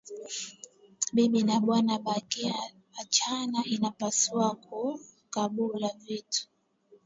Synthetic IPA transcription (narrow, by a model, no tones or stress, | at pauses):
ɓiɓinaɓwanaɓakiaː | t͡ʃanaʔinapasuwak̚u | kaɓulavitu̥